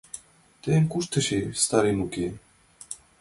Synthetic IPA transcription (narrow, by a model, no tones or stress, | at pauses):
t̪eːmkʼuʃt̪ʰəʃist̪aɾimukʼi